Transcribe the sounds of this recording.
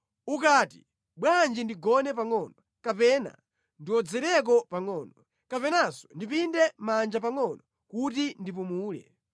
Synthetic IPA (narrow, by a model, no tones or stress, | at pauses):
ukaːtḭ | ɓwand͡ʒindiɡɔnɛpaŋɔnɔ | kapɛːna̰ | ndiwɔd͡zɛɾɛk̬ɔpaŋɔːnɔ | kapɛnasɔ̥ndipindɛmand͡ʒapaŋɔnɔ | kut̬indip̬umuːlɛ̰